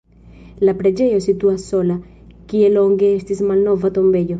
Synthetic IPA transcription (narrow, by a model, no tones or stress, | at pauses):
lapɾed͡ʒejosit̪uasola | kieloŋɡeest̪ismalnɔvat̪ombeʎo